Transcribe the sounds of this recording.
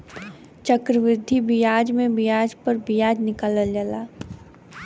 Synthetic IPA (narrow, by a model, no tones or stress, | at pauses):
t͡ʃəkɾəʋɾɪd̪ʱibijaːd͡ʒmẽbijaːd͡ʒpəɾbijaːd͡ʒnɪkaːləld͡ʒəlaː